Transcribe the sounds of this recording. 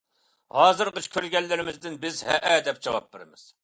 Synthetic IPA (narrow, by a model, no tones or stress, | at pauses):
hɑːzɨɾqət͡ʃʰkʲʰøɾɡʲɛlːɪɾɪmɪzd̪ɪnbɪzhɛ̰ʔɛd̪ɛp̚d͡ʒɑwɑ̰p̚beɾɪ̰mɪz̥